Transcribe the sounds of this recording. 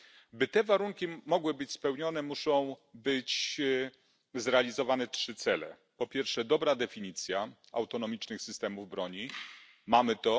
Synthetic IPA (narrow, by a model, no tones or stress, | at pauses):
bɘt̪ɛvaɾuŋkʲimɔɡwɘbɘt͡ɕspɛwɲɔn̪ɛmuʂɔ̃w̃bɘt͡ɕ | zɾɛalʲizɔvanɛtʂɘt̪sɛlɛ̰ | pɔpʲjɛɾfʂɛd̪ɔbɾad̪ɛfʲiɲit̪sʲja | a̰wt̪ɔnɔmʲit͡ʂnɘxsɘst̪ɛmuvbɾɔɲi | mamɘt̪ɔ